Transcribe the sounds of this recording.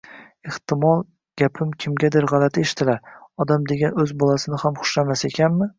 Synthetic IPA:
eht̪ɪmɒlˠ | ɡ̥ʲapʰɪmkʲʰɪmɡʲad̪ɪɾʁɑlat̪ʰeʃɪ̥t̪ʰɪlaɾɒd̪amd̪e̞ɡʲanɵzbɒlˠasɪnɪhamχʊ̥ʃlamase̞kʲʰanmɪ

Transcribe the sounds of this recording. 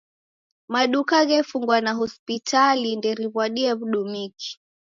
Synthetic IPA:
maɗukaɣɛfuŋɡwanaɦɔspitʰalindɛɾiβwaɗiaβuɗumiki̥

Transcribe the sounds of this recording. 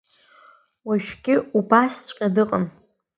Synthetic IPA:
waʃᶣɡʲɪubast͡ɕʷʼqʲʼadɨqʼən

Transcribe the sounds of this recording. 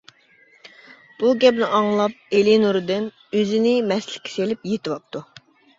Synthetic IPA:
b̥uɡʲɛpnɪʔɑŋlˠɑp̚elinuɾd̪ɪn | øzɪnɪmɛslɪ̥kʲʰːi̥selɪpjet̪ɪvɑp̚t̪ʰu

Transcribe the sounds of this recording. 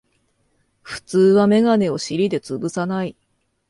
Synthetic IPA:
ɸɯ̟̥t͡sɨːβame̞ɡane̞o̞ɕiɾʲid̪e̞t͡sɨbɯ̟sanai

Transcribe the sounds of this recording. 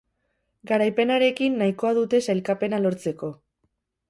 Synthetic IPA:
ɡaɾajpe̞naɾe̞kinːaiko̞aðut̪e̞sajlkape̞nalo̞ɾt͡se̞ko̞

